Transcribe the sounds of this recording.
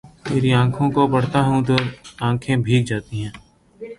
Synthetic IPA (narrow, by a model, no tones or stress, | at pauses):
t̪eːɾiãːkʰõkobɐɽ̤t̪aɦũt̪oãːkʰẽbʱiːk̚d͡ʒaːt̪iɦɛ̃ː